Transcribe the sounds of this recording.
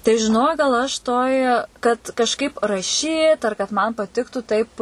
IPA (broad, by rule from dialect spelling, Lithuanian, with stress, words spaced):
tɐɪ ʒʲɪˈnoːk ɡɐlˠ ɐʃ ˈtoːj kɐt kɐʃˈkɐɪp rɐˈʃʲiːt ɐr kɐt mɐn pɐˈtʲɪktʊ tɐɪp